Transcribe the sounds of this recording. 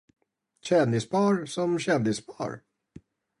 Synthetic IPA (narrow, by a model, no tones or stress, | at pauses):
ɕɛnd̪ɪspʰɑːɾsɔmɕɛnd̪ɪspʰɑ̰ːɾ